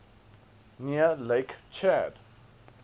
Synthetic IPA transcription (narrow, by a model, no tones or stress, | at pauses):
niəleɪkt͡ʃʰɛd̥